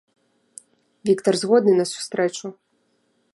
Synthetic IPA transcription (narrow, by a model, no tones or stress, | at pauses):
vʲikt̪ɐrzɣɔd̪nɨnɐsu̥st̪ɾɛt͡ʃu